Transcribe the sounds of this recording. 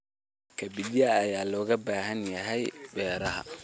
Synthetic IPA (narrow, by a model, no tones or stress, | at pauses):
kʰɐbɪdjɐːjaːlɔːɣɐbaːɦɐnjɐɦɛjbɛːɾɐɦɐ̰